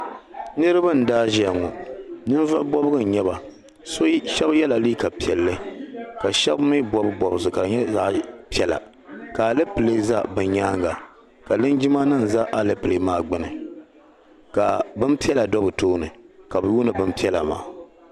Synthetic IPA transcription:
nɨ˦ɾɨ˦ba˦˨n̩˨daː˦ʒi˨˦a˨ŋɔ˨nɨ˦n˦va˦ʔbɔ˦bɨ˦ɡɨ˦˨n˨ɲɛ˦βa˨ | so˦ʃɛ˦bjɛ˦la˨liː˦ka˨pi˨ɛ˨lːɨ˦ka˨ʃɛ˦bmi˦bɔ˦bɨ˦bɔ˨bɨ˨sɨ˨ka˨dɨ˨ɲɛ˦za˦ʔpi˦ɛ˦la̰˨ | ka˨a˨lɨ˦pɨ˨le˦za˦bɨ˨ɲaː˦ŋɡa˨ | ka˨lɨ˦nd͡ʒɪ˦ma˦nɨ˦n˨za˦ʔa˨lɨ˦pɨ˨le˨maː˦˨ɡ͡bɨ˦nɨ˨ | ka˨bɨ˦npi˦ɛ˦la˨dɔ˦bɨ˨toː˦nɨ˨ka˨bɨ˨ju˦nɨ˨bɨ˦npi˦ɛ˦la˨ma̰ː˨

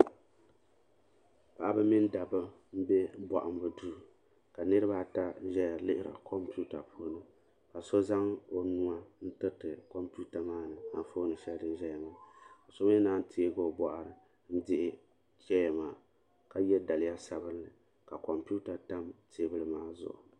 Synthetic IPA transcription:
pa˦˨ʔa˦bɨ˦mi˦n˦da˨bɨ˦ | m̩˦bɛ˦bɔ̰˨ʔa˨m˦bɨ˦duː˦˨ | ka˨nɨ˦ɾɨ˦baː˦˨ta˦ʒɛ˦ja˨lɪ˦hɪ˦ɾa̰˨kʰɔ˦mpi˦u˦ta˨pʰoː˦nɨ˦ | ka˨so˦za˦ŋo˨nu˦a˦n̩˦tɨ˦tɨ˨kɔ˦mpu˦ta˨maː˦nɨ˨ha̰˦n˦foː˦nɨ˨˦ʃɛ˦ldɨ˦n˦ʒɛ˦ja˨maː˦ka˨so˦m˦naː˦n˦tʰi˨˦e˦ɡo˦bɔ˨ʔa˨ɾɨ˨ | n̩˦dɪ˦ʔɪ˦ | t͡ʃɛ˦ja˨maː˨ | ka˦jɛ˦da˨lɪ˦ja˦sa˨bɨ˦n˦lɨ˨ | ka˨kɔ˨mpu˦ta˨ta˦mtʰeː˨˦bɨ˦lɨ˦maː˦zʊ̰˨ʔʊ̰˨

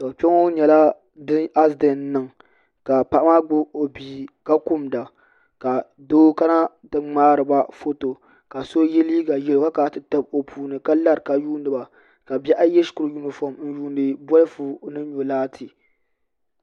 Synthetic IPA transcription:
ta˨pɛ˦ŋo˦ɲɛ˨la˦ | dɨ˦a˦sdɛ˨nːɨ˨ŋ | ka˨pa˦ʔa˦ma˦ɡ͡bʊ˦o˨biː˨ka˦ku˦mda˨ | ka˨ | doː˦ka˦na˦ | dɨ˦ŋ͡maː˦ɾɨ˨ba˦fo˦to˨ | ka˨so˦jɛ˦liː˦ɡa˨jɛ˨lo˨˦ɡa˦ka˨tɨ˨ta˦b̚o˨pʰuː˨nɨ˨ka˦la˦ɾka˨juː˦ndɨ˨ba˨ | ka˨bɛ˦ʔa˦jɛ˦skʊ˨ɾɨ˨ju˦nɨ˨fɔ˦˨mn̩˦ju˦ndɨ˨bɔ˦lɨ˦fu˦nɨ˦ɲo˨laː˦tʰi˨

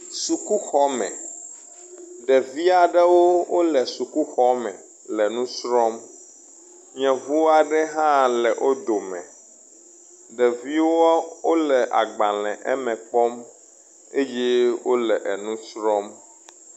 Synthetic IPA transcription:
su˨ku˦xɔ˦mɛ̰̃˨ | ɖɛ˨vi˦a˨ɖɛ˦wo˦wo˦lɛ˨su˨ku˦xɔ˦mɛ̰̃˨ | lɛ˨nũ˦sɾɔ˦m | ɲɛ̃˨vu˦wa˨ɖɛ˦ɦã˦lɛ˨ʔo˦d̪o˨mɛ̰̃˨ | ɖɛ˨vi˦wo˦wo˦lɛ˨ʔa̰˨ɡ͡bã˨lɛ̰̃˨ʔɛ˦mɛ̃˨k͡pɔ˦m | e˦jɛ˦wo˦lɛ˨ʔɛ˨nũ˦sɾɔ˦m

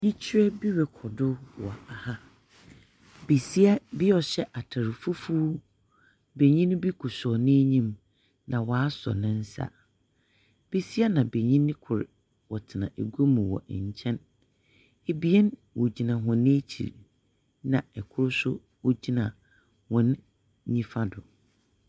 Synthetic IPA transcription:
ji˦t͡ɕʰi˦ɾɛ˦bi˦ɾɛ˨kʰɔ˨dʊ˦wɔ̰˨a˨ha˦ | be˨si˦a˦bɪ˦ɔ˨ɕɛ˦ʔa˨tʰa˨ɾɪ˨fu˦fuː˦ | be˨ɲĩ˦ñ˦bi˦kʰʊ˨sɔ˨nɪ̃˦ɲĩ˦m | nã˨wɔ˨a˦sɔ̰˨nɪ̃˦n̩˦sa̰˦ | b̥e˦si˦a˦nã˨be˨ɲĩ˦nɪ̃˦kʰʊ˨ɾɪ˨ | wɔ˨tʰɪ˨nã̰˨ʔe˨ɡo˦mũ˨wɔ̰˨ʔɲ̩˨t͡ɕʰɛ̃˦n | e˨bi˦ɛ˦nwɔ˨d͡ʑi˨nã˨ɦʊ̃˨n˦e˦t͡ɕʰḭ˨ɾ | nã˨ɛ˨kʰʊ˦ɾsʊ̰˦ | wɔ˦d͡ʑi˦nã˨ | hɔ̃˨n | ɲĩ˦fa˦dʊ˨

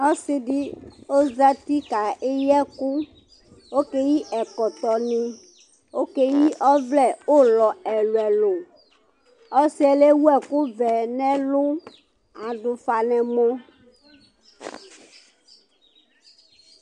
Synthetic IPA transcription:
ɔ˦si˦ɖi˦o˦za˦t̪i˦ka˨ʔe˦jɛ˦ku˦ | wo˦ke˦ji˦ʔɛ˨kɔ˨t̪ɔ˨nĩ˦ | wo˦ke˦ji˦ʔɔ˦vlɛ˦˨o˦lɔ˨ɛ˨lʊ˨ɛ˨lʊ˨ | ɔ˦si˦ɛ˨le˦wu˦ɛ˨ku˦vɛ˨nɛ̃˦lʊ˦ | a˨ɖʊ˨fa˨nɛ̃˨mɔ̃˦

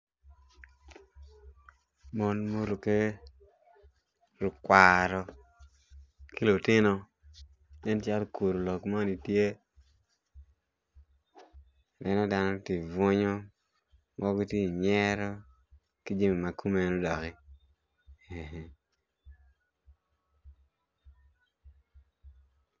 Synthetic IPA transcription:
mo˦nmo˦ɾu˨ke˦ | ɾʊ˨kwa˨ɾɔ˦ | kɪ˦lʊ˨tɪ˦nɔ˦ | dɛ˦nt͡ʃa˦lkʰu˨ɾo˨lo˨kmɔ˦ni˨tje˦ | dɛ˦nɔ˦da˦nɔ˦tɪ˨vʊ˦ɲɔ˦ | ŋɔ˦ɡɔ˦ti˦˨ɲɛ˦ɾɔ˦ | kɪ˦d͡ʒi˦mi˨ma˨kʰu˦me˨no˦dɔ˨kɪ˦ | e˨ɦɛ˦

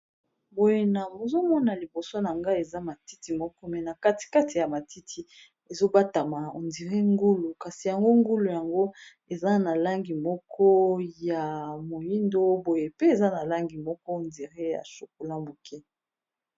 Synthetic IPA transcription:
bo˨je˨na˨mo˨zo˦mɔ˦na˨li˨bo˨so˦na˨ŋɡa˦e˨za˦ma˨ti˦ti˨mɔ˦kɔ˦mɛ˨na˨ka˦ti̥˨ka˦ti˨ja˨ma˨ti˦tʰi˨ | e˨zo˦ba˦ta˨ma˨o̰˨ndi˨ʁe˦ŋɡu˦lu˨ka˨si˨ja˨ŋɡo˦ŋɡu˦lu˨ja˨ŋɡo˦ | e˨za˦na˨la˦ŋɡi˨mɔ˦kʰɔ˦ja˨mo˨ji˦ndo˦bo˨je˨pe˦e˨za˦na˨la˦ŋɡi˨mɔ˦kɔ˦˨ndi˨ʁe˦ja̰˨ʃu˨k̚o˨la˦bo˨kɛ˦

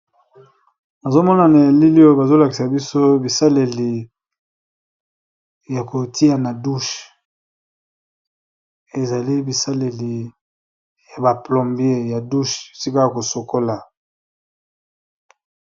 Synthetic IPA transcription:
na˨zo˦mɔ˦na˨na˨a˨li˦li˦o˦ba˨zo˦la˨ki˨sa˨bi˦so˦bi˨sa˦le˨li˨ | ja˨ko˨ti˦a˨na˨du˦ʃ | e˨za˨li˦bi˨sa˦le˨li˨ | ja˨ba˨plɔ˨mbje˦ja˨du˦ʃo˨si˦ka˦a˨ko˨so˨ko˦la˨

